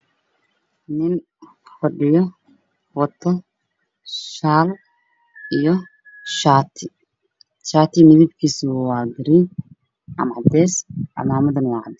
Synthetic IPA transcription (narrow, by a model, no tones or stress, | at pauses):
nɪn | fɐɖɪjɔ | wɐt̪ʰːɔ | ʃaːl | ijɔ | ʃaːt̪ʰɪ | t͡ʃaːt̪ʰɪmɪðɪbkʰiːswwaːɡɪɾɪn | ʔɐ̰mʕɑd̪ɛːsʔɑ̰laːmɐðɐnwɑʕɑ̰d̪